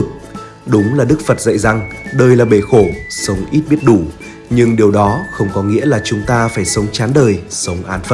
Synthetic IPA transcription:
ɨ˨˩k̚ | ɗʊ˨˦ŋ͡mlaː˨˩ɗɨ˦˥k̚fə˨˩t̚zə̰˧˨jza˨˩ŋɗəː˧˩jlaː˨˩ɓe˧˩xo˧˩sə˨˦wŋ͡mʔi˦˥t̚ɓi˦˥ət̚ɗu˧˩ | ɲɨ˧ŋɗi˨˩wɗɔ˨˦xə˧wŋ͡mkɔ˨˦ŋḭ˧˥əlaː˨˩t͡ɕʊ˨˦ŋ͡mt̪aː˧faː˧˩jsə˨˦wŋ͡mt͡ɕaː˨˦nɗəː˨˩jsə˨˦wŋ͡mʔaː˨˦nfə˦˥

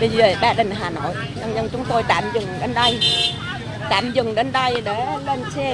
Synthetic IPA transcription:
ɗi˨˧˩ve˨˩ɓaː˧ɗï˨˩ŋ̟ɦaː˨˩no̰˧˨j | ɲə˧nzə˧nt͡ɕʊ˨˦ŋ͡mt̪o˧jt̪a̰ː˧˨mzɨ˨˩ŋɗe˧nɗə˧j | t̪a̰ː˧˨mzɨ˨˩ŋɗe˧nɗə˧jɗe˧˩le˧nt͡ɕɛ˧

